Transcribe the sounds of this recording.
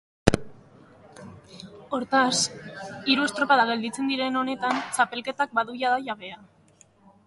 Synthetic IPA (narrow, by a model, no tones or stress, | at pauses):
o̞ɾt̪asiɾuest̪ɾo̞paðaɣe̞ld̪it͡se̞nd̪iɾe̞no̞ne̞t̪ant͡sape̞lke̞t̪ak̚baðujaðaʝaβe̞a